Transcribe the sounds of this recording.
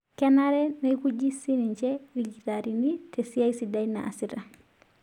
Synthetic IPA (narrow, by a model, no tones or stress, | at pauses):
kɛnaɾɛnaikud͡ʒisiniɲt͡ʃɛɾiɡiɾaɾinitʰesiaisidaina̰a̰siɾa